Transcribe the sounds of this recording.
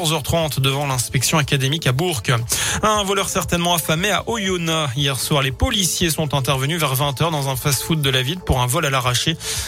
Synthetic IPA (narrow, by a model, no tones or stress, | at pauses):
ʁzœʁt̪χɑ̃t̪d̪əvɑ̃lɛ̃spɛksjɔ̃akad̪emikabuʁkaɛ̃vɔlœʁsɛʁt̪ɛnmɑ̃afameaʔɔjonaijɛʁswaʁlepɔlisjesɔ̃t̪ɛ̃t̪̬ɛʁvənyvɛʁvɛ̃t̪œʁd̪ɑ̃zɛ̃fasfut̪̚d̪əlavilpuʁɛ̃vɔlalaʁaʃe